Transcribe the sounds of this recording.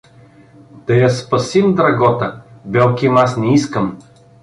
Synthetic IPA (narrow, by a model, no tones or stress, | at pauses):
d̪ɐjɐspɐsimd̪ɾɐɡɔt̪əbɛlˠkʲimasnɛiskəm